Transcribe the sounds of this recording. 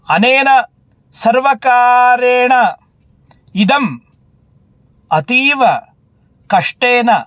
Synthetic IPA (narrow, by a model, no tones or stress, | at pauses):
ɐneːnɐ | sɐɾʋɐkaːɾeːɳɐ | id̪ɐm | ɐt̪iːʋɐ | kɐʂʈeːnɐ